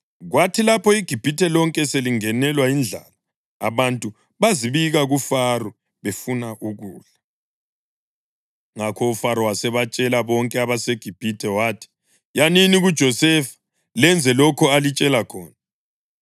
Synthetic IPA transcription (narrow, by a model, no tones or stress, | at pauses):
ɣwatʰilapʰɔiɡ̥ʱib̥ʱitʰɛlɔŋkʼɛseliŋɛnɛlwaind͡ɮʱaːla | a̰βantʼu | βaziβiɣaɣufarɔ | βefunaʔuɣuːɮa | ŋakʰɔufaɾɔwasɛβat͡ʃʼɛlaβɔŋkʼɛaβaseɡ̥ʱib̥ʱitʰɛwaːtʰi̥ | janiniɣud̥ʒ̥ʱɔsɛfḁ | lɛnd͡zʱɛlɔkʰɔalit͡ʃʼɛlakʰɔːna